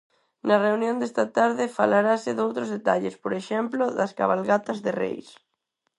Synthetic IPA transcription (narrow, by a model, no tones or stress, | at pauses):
nɐreunjõnd̪est̪at̪aɾðɪfalaɾasɪðowt̪ɾozðet̪aʎespoɾeʃemploðɐska̰βalɣat̪azðerḛjs